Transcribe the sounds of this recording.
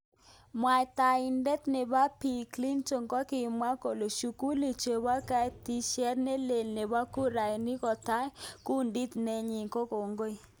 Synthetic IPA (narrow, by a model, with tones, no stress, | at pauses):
mwa˨jta˨i˨ndɛ˦t̪ne˨ba˦pi˨kli˦nt͡ʃo˨ŋkɔ˦kɪ˨mwa˦ko˨lo˨ʃu˨ku˦li˨t͡ʃe˨ba˦ka˦˨ti˦ʃɛ˦ɾne˦le˨lne˨ba˦ku˦ɾa˨ni˦kɔ˨ta˦ku˦ndi˦t̪nɛ˦ɲi˨ŋko˦ko˨ŋɡo˦j